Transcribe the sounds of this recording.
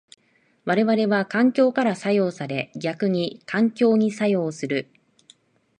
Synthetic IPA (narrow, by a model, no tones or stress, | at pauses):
βaɾe̞βaɾe̞βakãŋkʲo̞ːkaɾasajo̞ːsaɾe̞ɡʲakɯ̟ɲ̟ikãŋkʲo̞ːɲ̟isajo̞ːsɨɾɯ̟